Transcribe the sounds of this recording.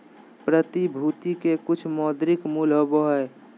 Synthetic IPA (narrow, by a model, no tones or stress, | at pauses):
pɾət̪ibʱuːt̪ikekʊt͡ʃʰmɔːd̪ɾɪkmuːloboɦɛː